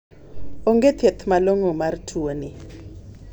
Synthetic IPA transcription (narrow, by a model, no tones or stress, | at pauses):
oŋɡet̪ʰet̪ʰmaloŋomartʰuoni